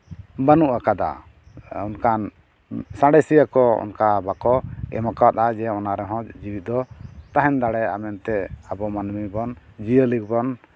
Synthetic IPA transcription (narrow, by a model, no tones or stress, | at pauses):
banuʔakad̪a̰ | ɔnkan | sãɽɛsijakɔɔ̰nkabakɔɛ̰makat̪̚ad͡ʒɛɔnaɾɛɦɔ̃d͡ʒibit̪̚d̪ɔt̪aɦɛnd̪aɽɛa̰mɛnt̪ɛabɔmanmibɔnd͡ʒiəlikbɔn